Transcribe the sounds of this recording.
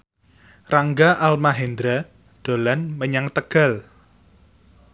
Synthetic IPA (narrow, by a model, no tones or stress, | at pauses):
raŋɡaʔalmaɦend̪ɾa | ɖ̪̥o̤lanməɲaŋt̪əɡ̥a̤l